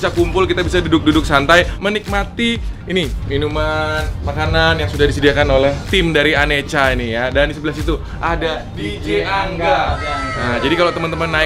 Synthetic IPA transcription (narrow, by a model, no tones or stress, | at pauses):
sakumpʊlkit̪abisadudʊk̚dudʊk̚sant̪ajmənik̚mat̪iːniminumanmakananjaŋsudahdisədiakanolɛht̪ɪmdaɾianet͡ʃainijadandisəbəlasit̪u | ʔada | did͡ʒeaŋɡaəd͡ʒadikalot̪əmant̪əmanːa